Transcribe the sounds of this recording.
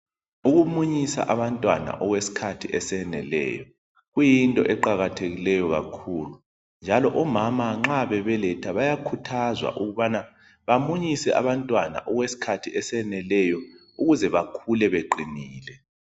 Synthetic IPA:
uɣumuɲisa̰ʔaβantʼwa̰na̰ʔɔɣwesi̥kʰatʰiʔɛsɛnɛ̰lɛ̰ːjɔ | ɣujintʼɔʔɛǃaɣatʰeɣilɛjɔɣa̰kʰuːlu | nd͡ʒʱalɔʔɔmamaŋ͡ǁaβɛβɛlɛtʰaβajakʰutʰazwa̰ʔuɣuβana | βamuɲisɛʔaβantʼwana̰ʔɔɣwesi̥kʰatʰiʔɛsɛnɛlɛjɔ | uɣuzɛβakʰulɛβeǃiniːlɛ

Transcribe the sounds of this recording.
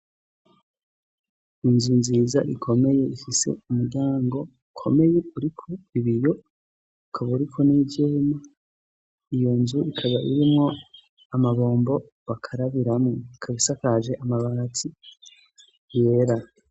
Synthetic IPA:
inzunziːza̰ʔikʰo̞me̞je̞içise̞̰umuɾɟaːŋɡo̞ukʰo̞̰me̞je̞uɾikʰoiβijo̞ | ukʰaβaɾikʰo̞nivjema | ijo̞nzuikʰaβaʔiɾimŋo̞ | amaβo̞ːmbo̞ | βakʰaɾaβiɾamŋokʰaβisakaʒe̞ʔamaβat͡si | je̞ɾa

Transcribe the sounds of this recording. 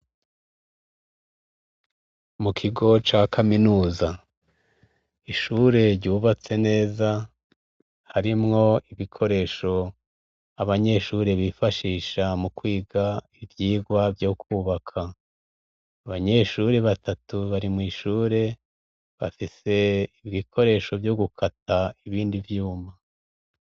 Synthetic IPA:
mukʰiɡo̞t͡ʃakʰaminuːza | iʃuːɾe̞ɾɟuːβat͡se̞ne̞ːza | haɾimŋo̞iβikʰo̞ɾe̞ʃo̞ | aβaɲe̞ʃuɾe̞βifaʃiːʃamukwiːɡaivjiːɡwavjo̞kʰuːβakʰa | aβaɲe̞ʃuɾe̞βatatuβaɾimŋiːʃuːɾe̞ | βa̰fise̞iβikʰo̞ɾe̞ʃo̞vjo̞ɡukʰataiβiːndivjuːma

